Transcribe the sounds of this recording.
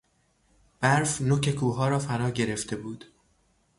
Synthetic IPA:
b̥æɾfnokcʰe̞kʰuːɦɒːɾɒːfænɒːɟe̞ɾe̞ft̪ʰe̞buːd̪̥

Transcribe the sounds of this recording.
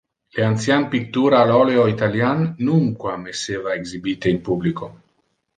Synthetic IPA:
leant̪sjanpik̚t̪uɾaːlɔleoit̪aljanːuŋkwamesevaeɡzibit̪einpubliko

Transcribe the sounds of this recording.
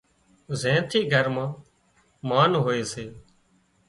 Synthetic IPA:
zẽːt̪ʰiːɡʱəɾmãː | maːnɦoːeːseː

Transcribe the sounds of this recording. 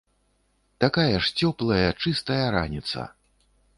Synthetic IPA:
t̪akajɐʂt͡sʲɔplˠɐjɐt͡ʂɨst̪ɐjɐɾa̰nʲit̪sɐ̰

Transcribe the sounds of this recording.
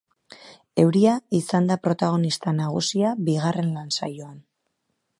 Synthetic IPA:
e̞wɾiaisand̪apɾo̞t̪aɣ̞o̞nist̪anaɣ̞ṵsiabiɣare̞nlansa̰joan

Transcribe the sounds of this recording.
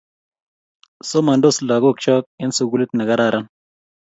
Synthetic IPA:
somɐnɖoslaːɡokt͡ʃaːk̚ensuɡulit̪nɐɡɐɾaːɾɐn

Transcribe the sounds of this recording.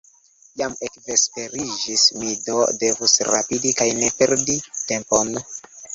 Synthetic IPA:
jamekve̞spe̞ɾid͡ʒismido̰de̞vusɾa̰pidikajne̞pe̞ɾdite̞mpo̞n

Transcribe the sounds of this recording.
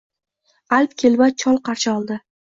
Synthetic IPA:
alpkʲʰelbat͡ʃʰɒlˠqʰɑɾʃaɒlˠd̪ɪ

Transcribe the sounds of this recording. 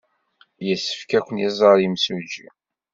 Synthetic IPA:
jəsːə̥fkækʷənjizˤəɾimsud͡ʒḭ

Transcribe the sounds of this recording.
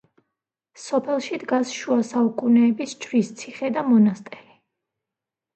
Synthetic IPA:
sɔpʰɛlˠʃid̪ɡasʃuasaukʼunɛːbist͡ʃʰɾist̪sʰiχɛd̪amɔnast̪ʼɛɾi

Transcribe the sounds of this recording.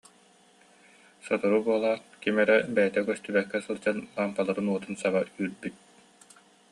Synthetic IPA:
sɔt̪uɾubuɔlˠaːnkimɛɾɛbɛjɛt̪ɛkœst̪ybɛkːɛsɯlˠd͡ʑanbaːmpalˠaɾɯnuɔt̪ɯnsabayːɾbyt̪̚

